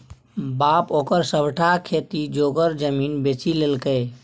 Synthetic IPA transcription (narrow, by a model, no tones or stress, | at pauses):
bapokəɾsəbʈʰakʰet̪id͡ʒoɡəɾd͡ʒəminbet͡ʃilelkə